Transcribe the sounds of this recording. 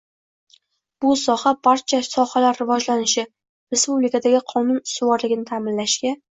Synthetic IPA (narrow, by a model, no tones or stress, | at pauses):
b̥ʊsɒhabaɾt͡ʃʰasɒhalaɾːɪvɒd͡ʒlanɪʃɪ | ɾe̞spublɪkad̪aɡʲɪqʰɒnʊnsʊwɒɾlɪɡʲɪnɪt̪ʰamɪnlaʃkʲa